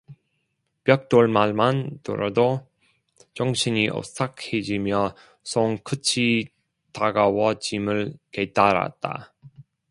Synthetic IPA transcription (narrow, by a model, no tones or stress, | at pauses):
pjʌk̚t͈oɭmaɭmanto̰ɾado | t͡ɕʌŋɕʰiɲiʔʌ̰s͈akʰed͡ʑimjʌ | sʰoŋkʰɯt͡ɕʰi | taɡawʌt͡ɕimɯɭke̞taɾa̰t̚t͈a̰